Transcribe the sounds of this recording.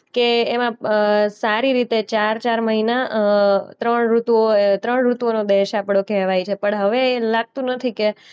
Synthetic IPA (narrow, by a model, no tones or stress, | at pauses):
keːmãsaɾiɾit̪et͡ʃaɾt͡ʃaɾməɦina | t̪ɾəɳɾut̪ʋot̪ɾəɳɾut̪ʋonod̪eʃapɽokɛʋajt͡ʃʰepəɳɦəʋeːlaɡ̚t̪ũnət̪ʰike